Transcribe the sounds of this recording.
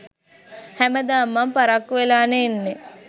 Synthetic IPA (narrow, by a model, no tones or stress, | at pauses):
hæməd̪aːmːampaɾakːʋelaːneːnːe